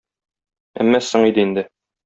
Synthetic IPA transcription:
æ̰mːæsɤɴid̪ɘind̪ɘ

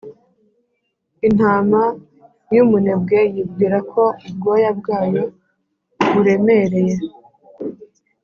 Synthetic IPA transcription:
in̥aːma | jumunebɡe̞jib̚ɡiːɾakʰo̞b̚ɡojab̚ɡaːjo | βuɾe̞me̞ɾe̞je̞

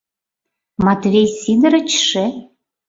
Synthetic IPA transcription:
mɑt̪vʲejsid̪ə̆ɾə̆t͡ɕʃĕ

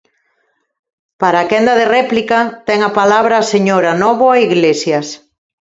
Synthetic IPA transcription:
paɾaːkɛnd̪aðerɛplikat̪ɛŋapalaβɾaseɲoɾanɔβoaiɣlesjas

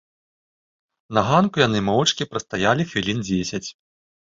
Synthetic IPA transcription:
nɐɣankujanɨmɔwɐt͡ʂkʲipɾɐst̪ajalʲixvʲilʲind͡zʲesʲɐt͡sʲ

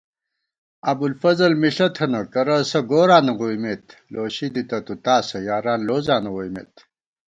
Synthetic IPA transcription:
ɐbulfɐzɐlmiɬɐt̪ʰɐnɐkɐɾɐsɐɡoːɾaːnɐʁujmet̪loːɕid̪it̪ɐt̪ut̪aːsɐjaːɾaːnloːzaːnɐɣojmḛt̪

